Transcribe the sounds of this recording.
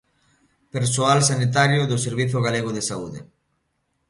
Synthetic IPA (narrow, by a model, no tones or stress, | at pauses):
peɾsoalsanit̪̬aɾjoðʊseɾβiθʊɣaleɣoðesauðḛ